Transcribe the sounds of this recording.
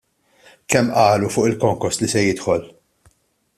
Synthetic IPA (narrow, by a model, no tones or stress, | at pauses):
kɛmːʔɐːlufʊːʔɪlkɔŋkɔɾst̪lisɛjɪt̪ħɔl